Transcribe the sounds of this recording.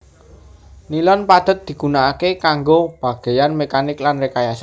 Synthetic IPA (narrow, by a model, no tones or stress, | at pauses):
nilɔnpad̪̥ə̤t̪̚d̪̥i̤ɡunaʔakekaŋɡob̥a̤ɡ̥e̤janmekanɪklanrekajasa